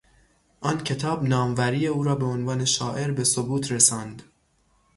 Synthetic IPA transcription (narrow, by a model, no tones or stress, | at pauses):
ʔɒːncʰe̞t̪ʰɒːbnɒːmvæɾiːeuːɾɒːbeonvɑːne̞ʃɒːʔe̞ɾbe̞so̞buːt̪ʰɾesɒːnd̪̥